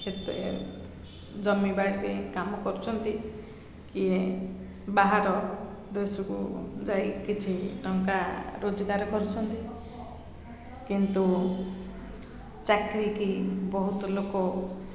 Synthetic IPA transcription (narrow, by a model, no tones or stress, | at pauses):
et̪uḛ | d͡ʒɔmibaɽiɾekamɔkɔɾut͡ʃʰɔnt̪i | kie | baɦaɾɔ | d̪esɔkṵd͡ʒajkit͡ʃʰinɔŋkaɾod͡ʒɔɡaɾɔkɔɾut͡ʃʰɔnt̪i | kint̪u | t͡ʃakɾikibɔɦut̪ɔlokɔ